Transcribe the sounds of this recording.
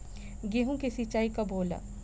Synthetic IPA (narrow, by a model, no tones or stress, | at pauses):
ɡeɦũkesit͡ʃaːikaboːla̰